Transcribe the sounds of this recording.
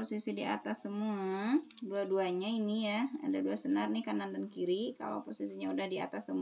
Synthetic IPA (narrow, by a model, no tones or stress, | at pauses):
osisidia̰t̪asːəmua | duaduaɲainijaa̰daduasənarnɪkanandankiɾika̰la̰posisiɲaudahdia̰t̪asːəmu